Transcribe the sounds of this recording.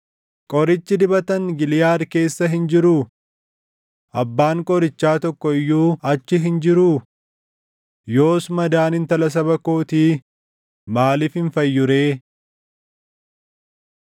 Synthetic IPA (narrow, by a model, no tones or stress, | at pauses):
kʼɔɾɪt͡ʃːɪd̪ɪbɐt̪ɐŋɡɪlɪjaːɾke̞ːsːɐɦɪnd͡ʒɪɾu | ʔɐbːaːŋkʼɔɾɪt͡ʃːaːt̪ɔkːɔɪjːuːɐt͡ʃːɪɦɪnd͡ʒɪɾuː | jo̞ːsmɐd̪aːnɪnt̪ɐlɐs̬ɐbɐkoːt̪i | maːlɪfhɪnfɐjːʊɾe̞ː